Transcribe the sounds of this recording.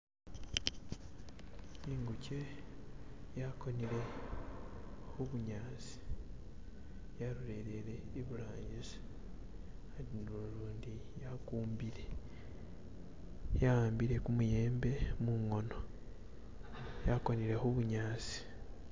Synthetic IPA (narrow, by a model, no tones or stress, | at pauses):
iŋɡuce̞ | jako̞niɾe̞ | xuβuɲaːt͡si̥ | jaɾuɾe̞ɾeɾe̞iβulaːɲɟize | ainuluːndijakuːmbiɾe | jaaːmbiɾe̞kumuje̞ːmbe̞muŋo̞no̞ | jako̞niɾe̞xuβuɲaːt͡si̥